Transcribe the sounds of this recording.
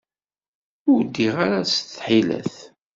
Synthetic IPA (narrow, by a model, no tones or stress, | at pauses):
ʊɾd̪ːiʁaɾasθħilæ̰θ